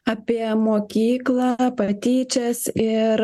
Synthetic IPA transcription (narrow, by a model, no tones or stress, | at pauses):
ɐpʲiɛmoːkʲiːklˠɑpɐt̪ʲiːt͡ʃʲɛsɪɾ